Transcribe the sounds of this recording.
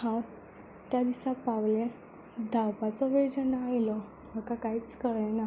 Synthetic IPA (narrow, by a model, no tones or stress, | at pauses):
hãw | t̪jad̪isapawlẽ | d̪ʱawpat͡sɔʋed͡ʑənaajlɔ | məkakaɦiːt͡skəɭɛna